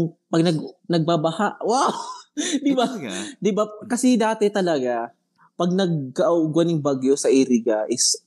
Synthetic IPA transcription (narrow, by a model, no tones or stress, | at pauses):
ŋpɐɡnɐɡnɐɡ̚babɐhaʔwawd̪ɪbad̪ɪbakɐsɛd̪aːt̪ɛt̪ɐlɐɡa | pɐɡ̚nɐɡ̚kɐʔuɡwɐnɪŋbaɡjosɐʔiɾiɡaʔɪs